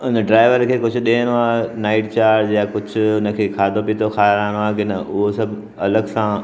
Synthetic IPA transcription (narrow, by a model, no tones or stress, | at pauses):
ʊnəɖɾaːɪʋəɾkʰeːkʊd͡ʑʱʊɗẽːəñoaːnaːɪʈt͡ɕaːɾɾjakʊd͡ʑʱʊʊnə̆kʰeːkʰaːd̪ʱopit̪ʰoxʰaːɾaːɽ̃aːkɪnɐʊɦosɐbʱ | ɐləɡsã